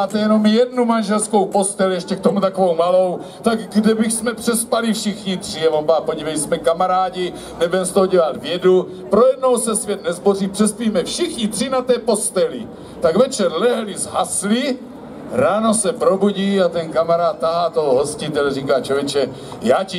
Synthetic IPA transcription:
aːt̪ɛjɛno̞mjɛdnumanʒɛlsko̞wpo̞st̪ɛljɛʃcɛkt̪o̞mut̪akovowmalo̞w | t̪aɡɡdɛbixsmɛpr̥ɛspalifʃɪxɲit̪r̥iavompaːpoɟivɛjsmɛkamaɾaːɟi | nɛbɛmst̪oɦoɟɛlat̪vjɛdu | pɾojɛdno̞wsɛsvjɛt̪nɛzbo̞riːpr̥ɛspiːmɛfʃɪxɲit̪r̥inat̪ɛːpo̞st̪ɛlḭ | t̪aɡvɛt͡ʃɛɾlɛɦlizɦasli | ɾaːno̞sɛpɾo̞buɟiːat̪ɛnkamaɾaːt̪̚ːaɦaːt̪oɦoɦo̞scɪt̪ɛlriːkaːt͡ʃovjɛt͡ʃɛ | jaːci

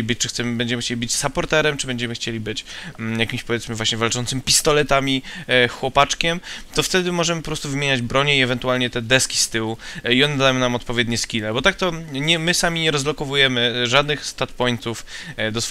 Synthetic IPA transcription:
ibɘt͡ɕt͡ʂɨxt̪sɛmɘbɛɲd͡ʑɛmɘxt͡ɕelʲibɘt͡ɕsapɔɾt̪ɛɾɛmt͡ʂɨbɛɲd͡ʑɛmɘxt͡ɕelʲibɘt͡ɕjakʲimɕpɔvʲjɛt̪smɘvwaɕɲɛvalt͡ʂɔnt̪sɘmpʲist̪ɔlɛt̪amʲixwɔpat͡ʂkʲɛmt̪ɔft̪ɛd̪ɘmɔʐɛmɘpɔpɾɔst̪uvɘmʲjeɲad͡ʑbɾɔɲɛiɛvɛnt̪ualɲɛt̪ɛd̪ɛskʲi̥st̪ɘwuiɔnɛd̪ajɛ̃namɔt̪pɔvʲjɛd̪ɲɛskʲilɛbɔt̪ak̚t̪ɔɲɛmɘsamʲiɲɛɾɔzlɔkɔvujɛmɘʐad̪nɘxst̪at̪pɔjnt̪ufd̪ɔsf

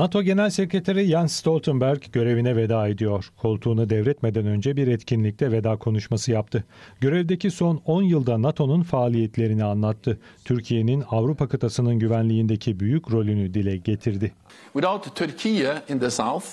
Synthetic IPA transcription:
nat̪ʰo̞ɟe̞nælʲse̞kɾet̪ʰaɾijansst̪ʰo̞lʲˠt̪ʰɯnbæɾɟɟø̞ɾe̞vinɛve̞d̪aːed̪ijo̞ɾ̥kʰo̞lˠt̪ʰuːnad̪ɛvɾɛt̪me̞d̪ænø̞nd͡ʒɛbiɾɛt̪cʰinlʲic̚t̪ʰɛve̞d̪aːkʰo̞nuʃmasɯjapt̪ʰɯɟø̞ɾɛvd̪e̞ciso̞no̞njɯlˠd̪anat̪ʰo̞nunfaːlʲijɛt̪lʲe̞ɾinianlˠat̪ʰːɯt̪ʰyɾcʰije̞ninavɾupʰakʰat̪ʰasɯnɯnɟyvænlʲijind̪e̞cʰibyjycɾo̞lʲynyd̪ilʲɛɟe̞t̪ʰiɾd̪ɪ | wɪðaʊt̪ʰːœɾkʰiəɪ̃nðəsaʊθ

